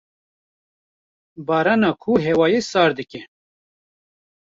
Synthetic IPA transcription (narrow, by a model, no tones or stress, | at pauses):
bɑːɾɑːnɑkʰuɦɛwɑːjesɑːɾd̪ɨkɛ